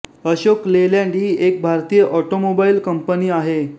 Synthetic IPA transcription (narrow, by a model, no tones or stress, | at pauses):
əɕokleljãɳɖiːʔek̚bʱaɾt̪iːjəʔɔʈomobailkəmpəniːaɦe